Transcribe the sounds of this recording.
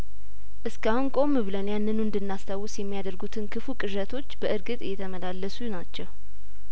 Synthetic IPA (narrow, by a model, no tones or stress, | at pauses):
ʔɨskahunkʼo̞mːɨβlənjanːɨnuɨnd̪ɨnːast̪ʰawʊsjɛmːijad̪əɾɡut̪ʰɨnkʰɨfukʼɨʒət̪ʰo̞t͡ʃːbəʔɨɾɡɨt̪ʼɨjɛt̪ʰəməlalːəsujnat͡ʃːɛw